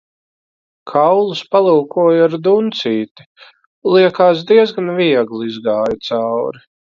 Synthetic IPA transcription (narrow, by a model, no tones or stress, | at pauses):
kʰawlˠuspalˠuːkuɔjaɾd̪unt̪siːt̪i̥ | lˠiɛkaːsd̪iɛzɡanviɛɡlˠiizɡaːjut̪sawɾi